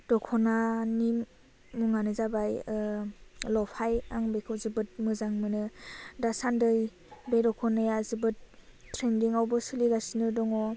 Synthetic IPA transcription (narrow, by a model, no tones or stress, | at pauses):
d̥ɔkʰɔnanimː | uŋanɯzabaj | lɔpʰajaŋbekʰɯwzɯbɯt̚mɯzaŋmɯnɯdasandɯj | bedɔkʰɔnɯjazɯbɯtːɾendiŋawbɯsɯliɡasinɯdɔŋɔ